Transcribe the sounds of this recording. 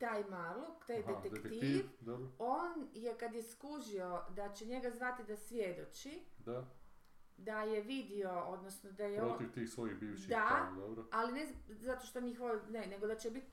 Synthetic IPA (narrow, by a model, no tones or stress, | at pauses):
t̪aːjmaɾlˠukt̪ajd̪et̪ek̪tiʋobɾooːnjekad̪jeskuʒio̞d̪at͡ɕeɲe̞ɡazʋat̪id̪asʋjed̪o̞t͡ʃid̪a | d̪ajeʋid̪io̞od̪nosnod̪ajeɾot̪iʋt̪iːxsʋojixbiːʋʃidd̪ad̪obɾoalinezat̪o̞ʃt̪oɲixʋonene̞ɡod̪at͡ɕebit̪